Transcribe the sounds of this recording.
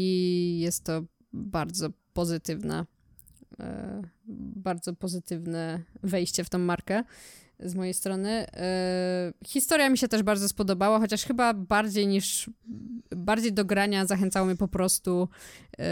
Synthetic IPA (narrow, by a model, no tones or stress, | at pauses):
ijɛst̪ːɔ | baɾd̪zɔpɔzɘt̪ɘvnɛ̰ | baɾd̪zɔpɔzɘt̪ɘvnɛvɛjɕt͡ɕɛft̪ɔ̃w̃ːaɾkɛ | zmɔjejst̪ɾɔnɘ | xʲist̪ɔɾjamʲiɕɛt̪ɛʐbaɾd̪zɔspɔd̪ɔbawaxɔt͡ɕaʂxɘbabaɾd͡ʑejɲiʂ | baɾd͡ʑejd̪ɔɡɾaɲazaxɛnt̪sawɔmʲɲɛpɔpɾɔst̪u